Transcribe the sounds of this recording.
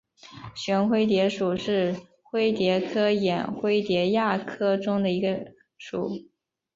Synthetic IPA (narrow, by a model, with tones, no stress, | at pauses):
ɕɥɛ˧˥nxwe˥ɪt̪̬jɛ˧˥ʂu˨˩ʂɻ̩˥˩ | xwe˥ɪt̪jɛ˧˥kʰɤ˥jɛ˨˩nxwe˥ɪt̪jɛ˧˥ja˥˩kʰɤ˥ʈ͡ʂʊ˥ŋd̪ə˨i˧˥ɡə˧ | ʂṵ˨˩˦